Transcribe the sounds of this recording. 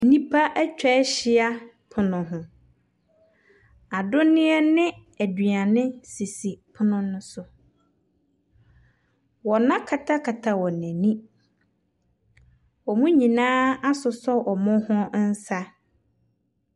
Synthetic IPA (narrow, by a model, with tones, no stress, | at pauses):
nĩ˦pʰa˦ʔæ˦t͡ɕᶣɛ˦ɕɪ˦a˦ | pʰʊ˨nʊ̃˨ɦʊ̃˨ | a˨dʊ̃˦nɪ̃˦ɛ˦nɪ̃˦ | æ˨dɥa˨nɪ̃˦si˨si˨pʰʊ˦nʊ̃˦nʊ̃˦sʊ˨ | wɔ˨nã˦kʰa˨tʰa˦kʰa˨tʰa˨wɔ˨nɛ̃˨nĩ˦ | ɔ˨mũ˦ɲĩ˨nãː˦a˦sʊ˨sɔ˦ʔɔ˨mʊ̃˦hɔ̃˦n̩˦sa˦